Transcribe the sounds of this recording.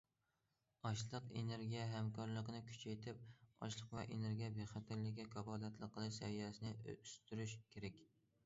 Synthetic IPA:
ɒʃlˠɨqḛneɾɡʲijɛɦæmkʰɑɾlˠəqənɪkʲʰy̥t͡ʃʰɛjt̪ʰɪp̚ɑ̰ʃlˠəqvɛ̰ʔeneɾɡʲijɛbeχæt̪ʰɪɾlɪkʲːɛkʰɑbɑːd̪æt̪lˠɨqʰːəlˠɨʃsɛvijɛsɪnɪst̪yɾyʃkʲʰeɾɛkʲ

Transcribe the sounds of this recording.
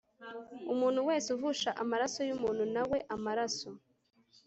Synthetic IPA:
umuːn̥huwe̞ːseuvuʃaʔamaɾaso̞jumuːnhunawe̞ʔamaɾaso̞

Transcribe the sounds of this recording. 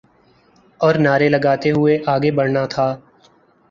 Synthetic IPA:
ɔːɾnaːɾelɐɡaːt̪eɦʊeʔaːɡebɐɽnat̪ʰaː

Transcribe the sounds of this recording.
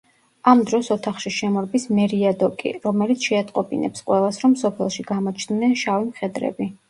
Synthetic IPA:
amd̪ɾɔsɔt̪ʰaχʃiʃɛmɔɾbismɛɾiad̪ɔkʼḭɾɔmɛlit̪sʰʃɛat̪ʼqʼɔbḭnɛ̰psqʼwɛlˠasɾɔmsɔpʰɛlˠʃiɡ̥amɔt͡ʃʰnnɛnʃavimχɛd̪ɾɛ̰bi

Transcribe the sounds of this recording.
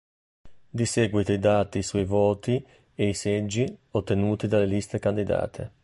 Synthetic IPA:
d̪iseːɡwit̪oid̪aːt̪isuivoːt̪i | eised͡ʒːiot̪ːenuːt̪id̪alːelist̪ekand̪id̪a̰ːt̪ʰḛ

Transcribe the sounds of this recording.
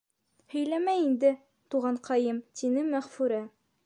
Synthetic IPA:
hɵ̆jlæmæind̪ɘ | t̪uʁɑɴqɒjɤmt̪inɘmːæχfʉɾæ

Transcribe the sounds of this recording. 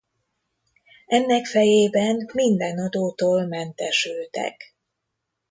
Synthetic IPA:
ɛnːɛkfɛjeːbɛnmind̪ɛnɒd̪oːt̪oːlmɛnt̪ɛʃylt̪ɛ̰k

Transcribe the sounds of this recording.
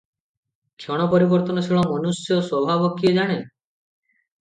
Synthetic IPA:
kʰjɔɽ̃ɔpɔɾibɔɾt̪ɔnɔsʰiɭɔmɔnusjɔswɔbʱabɔkied͡ʒaɽ̃e

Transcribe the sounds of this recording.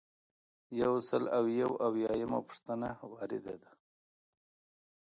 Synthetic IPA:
jawsəlawjawawjɑjama̰pʊ̥ʂt̪ənawɑɾɪd̪a̰d̪a

